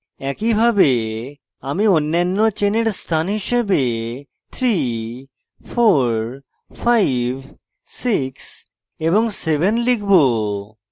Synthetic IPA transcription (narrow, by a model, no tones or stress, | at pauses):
ɛkibʱabe | amionːanːot͡ɕeneɾst̪ʰanɦiʃebe | t̪ʰɾi | foɾ | fʰajbʱ | siks | eboŋsebʱenlikʰbo